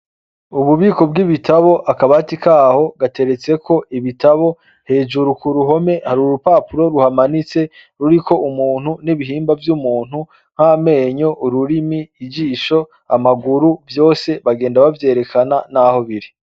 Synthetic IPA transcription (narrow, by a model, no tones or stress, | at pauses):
uβuβiːko̞b̚ɡiβitʰaβoʔakaβatikaːho̞ɡate̞ɾe̞t͡se̞kʰo̞ʔiβitaβo̞ | he̞ːd͡ʒuɾukuɾuɦo̞me̞haɾuɾupaːpuɾo̞ɾuhamanit͡se̞ | ɾuɾiko̞ʔumuːn̥huniβiɦiːmbavjumuːn̥u | ŋ̥hame̞ɲo̞ʔuɾuɾimiːd͡ʒiːʃo̞ | amaɡuɾuvjo̞ːse̞βaɡe̞ːndaβavje̞ːɾe̞kʰananaho̞βiɾi